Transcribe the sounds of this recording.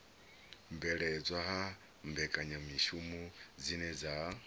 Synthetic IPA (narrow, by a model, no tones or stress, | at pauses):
mbɛɺɛd͡zʷwaɦa | mbɛkʼaɲamiʃumud͡zinɛd͡za